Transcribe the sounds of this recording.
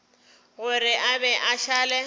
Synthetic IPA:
ɣʊɾɪʔabɛʔaʃaːlɛ

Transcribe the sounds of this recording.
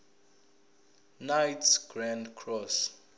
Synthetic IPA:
najtʰsɡ̥rãndkʰrɔs

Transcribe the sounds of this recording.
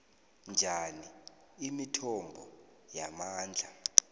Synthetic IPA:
nd͡ʒʱani | imitʰɔmbʱɔ | jamaːnd͡ɮʱa

